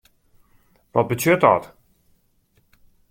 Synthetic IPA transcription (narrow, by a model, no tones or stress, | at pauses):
ʋɔt̚bətøtɔ̰t